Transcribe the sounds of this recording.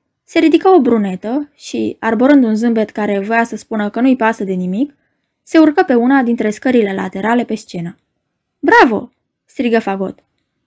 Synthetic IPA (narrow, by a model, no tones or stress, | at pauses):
se̞ɾid̪ikao̞bɾune̞t̪əʃḭarboɾɨnd̪unzɨmbe̞t̪kaɾe̞vasəspunəkənuipasəd̪e̞nimik | se̞urkəpe̞unad̪int̪ɾe̞skəɾile̞la̰t̪e̞ɾale̞pe̞st͡ʃe̞na | bɾavo̰ | st̪ɾiɡəfaɡo̞̰t̪